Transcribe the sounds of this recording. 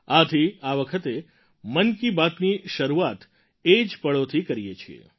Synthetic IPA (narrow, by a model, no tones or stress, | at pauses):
at̪ʰiaʋəkʰət̪e | mənkibat̪niʃəɾuat̪ | ed͡ʒpəɭot̪ʰikəɾijet͡ʃʰiḛ